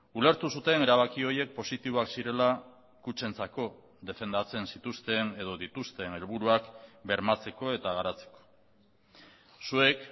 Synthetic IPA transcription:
ule̞ɾt̪usut̪e̞ne̞ɾaβ̞akio̞je̞k̚po̞sit̪iβo̞aksiɾe̞la | kut͡ʃe̞nt͡sako̞ | ðe̞fe̞nd̪at͡se̞nsit̪ust̪e̞ne̞ð̞o̞ðit̪ust̪e̞ne̞lβuɾuakbe̞ɾmat͡se̞ko̞e̞t̪aɣ̞aɾat͡se̞̥ko̥ | sue̞k

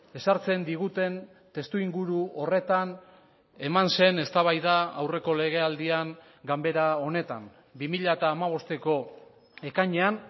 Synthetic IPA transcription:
e̞saɾt͡se̞nd̪iɣ̞ut̪e̞n | t̪e̞st̪uiŋɡuɾuʔo̞re̞t̪an | e̞manse̞ne̞st̪aβajðaawre̞ko̞le̞ɣ̞e̞ald̪iaŋ | ɡambe̞ɾao̞ne̞t̪am | bimiʎaet̪aːmaβ̞o̞st̪e̞ko̞ | e̞kaɲe̞an

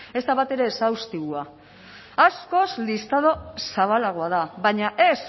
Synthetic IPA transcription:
e̞st̪aβat̪e̞ɾe̞sawst̪iɣua | asko̞slist̪að̞o̞saβalaɣ̞oaðaβaɲaʔe̞s

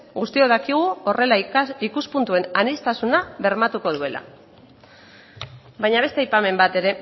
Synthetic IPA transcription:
ɣust̪io̞ðakiɣ̞uo̞re̞laikuspunt̪ue̞nanist̪asunaβe̞ɾmat̪uko̞ð̞ue̞la̰ | bajɲaβ̞e̞st̪eajpame̞mbat̪e̞ɾe̞

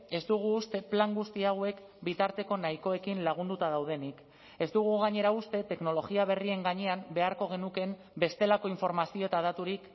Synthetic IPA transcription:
e̞zd̪uɣ̞uːst̪e̞plaŋɡust̪iawe̞k | bit̪aɾt̪e̞ko̞najko̞e̞kinlaɣ̞und̪ut̪að̞awð̞e̞nik | e̞zd̪uɣ̞uɣaɲe̞ɾaust̪e̞t̪e̞kno̞lo̞ɣiaβ̞e̞rie̞ŋɡaɲe̞ambe̞aɾko̞ɣ̞e̞nuke̞m | be̞st̪e̞lako̞iɱfo̞ɾmasio̞et̪aðat̪uɾik

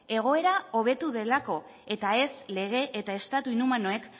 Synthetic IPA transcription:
e̞ɣ̞o̞e̞ɾao̞βe̞t̪uðe̞lako̞ | e̞t̪ae̞sle̞ɣ̞e̞ʔet̪ae̞st̪at̪uinumanoe̞k

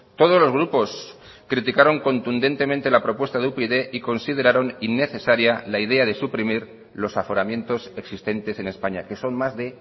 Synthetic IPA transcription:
t̪o̞ð̞o̞zlo̞zɣ̞ɾupo̞s | kɾit̪ikaɾo̞ŋko̞nt̪und̪e̞nt̪e̞ment̪e̞lapɾo̞pwest̪aðupeðe̞ʔiko̞nsið̞e̞ɾaɾo̞ninːe̞θe̞saɾjalaið̞e̞aðe̞supɾimiɾ | lo̞safo̞ɾamje̞nt̪o̞se̞ksist̪e̞nt̪e̞se̞ne̞spaɲake̞so̞nmazðe̞

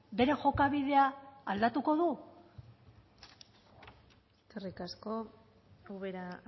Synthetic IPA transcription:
be̞ɾe̞ʝo̞kaβ̞iðe̞aːld̪at̪uko̞ðu | eskerikasko̞ | awβeɾa

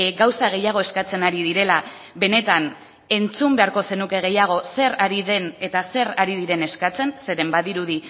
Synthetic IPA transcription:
ɡawsaɣ̞e̞jaɣ̞o̞e̞skat͡se̞naɾiðiɾe̞la | βe̞ne̞t̪an | e̞nt͡sumbe̞aɾko̞se̞nuke̞ɣ̞e̞jaɣ̞o̞se̞ɾaɾiðe̞ne̞t̪ase̞ɾaɾiðiɾe̞ne̞skat͡se̞nse̞ɾe̞mbaðiɾuði

